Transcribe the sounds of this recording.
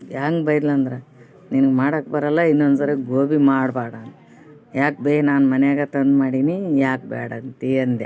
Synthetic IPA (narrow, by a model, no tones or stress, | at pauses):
jaːŋɡbɐjd̪lɐːnd̪ɾe | ninɨɡmaːɽɐk̚bɐɾɐlːainːond̪sɐɾɐɡoːbimaːɽbaːɽaŋ | jaːk̚beːɦenaːnmɐnɛjaːɡɐt̪ɐnd̪maːɽiːnijaːk̚bɛ̰ːɽɐnt̪iɐnd̪e